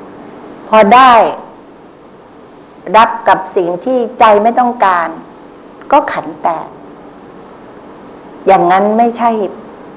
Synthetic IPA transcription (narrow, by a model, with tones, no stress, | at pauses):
pʰɔː˧daː˥˩j | ɾa˦˥p̚ka˨˩p̚si˨˩ŋt̪ʰiː˥˩t͡ɕa˧jma˥˩jt̪ɔ˥˩ŋkaː˧n | kɔː˥˩kʰa˩˦nt̪ɛː˨˩ | jaː˨˩ŋːa˦˥nma˥˩jt͡ɕʰa˥˩j